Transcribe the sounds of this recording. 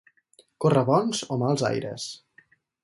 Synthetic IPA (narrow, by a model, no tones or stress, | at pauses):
korəβɔnzomalˠza̰jɾə̰s